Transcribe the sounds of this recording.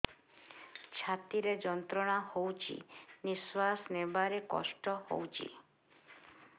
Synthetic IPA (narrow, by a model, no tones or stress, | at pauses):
t͡ʃʰat̪iɾed͡ʒɔnt̪ɾɔɽ̃ahowt͡ʃʰḭniswasnebaɾekɔ̰sʈɔho̰wt͡ʃʰḭ